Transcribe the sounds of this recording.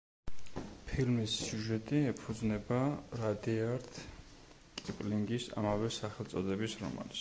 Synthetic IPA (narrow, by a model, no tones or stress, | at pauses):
pʰilmisːjuʒɛt̪ʼiɛpʰud̪znɛbaɾad̪iaɾt̪ʰ | kʼipʼliŋɡisa̰mavɛsaχɛlˠt̪sʼɔd̪ɛbisɾɔ̰ma̰lis